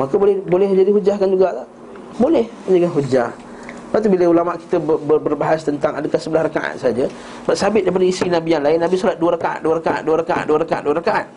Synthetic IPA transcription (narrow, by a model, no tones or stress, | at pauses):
makəbolɛhbolɛhməɲd͡ʒadiɦud͡ʒahkand͡ʒuɡat̪a | bolɛhməɲd͡ʒakanɦud͡ʒah | pat̪̬ubiləulamaʔki̥t̪əbəbəbərbaɦast̪ənt̪aŋadəkahsəbəlahɾakaʔa̰t̪̚saad͡ʒə | baʔsabɪt̪̚daipadəisinabianlaɪnːabisolat̪̚duəɾakaʔa̰t̪̚duəɾakaʔa̰t̪̚duəɾakaʔa̰t̪̚duəɾakaʔa̰duəɾakaʔat̪̚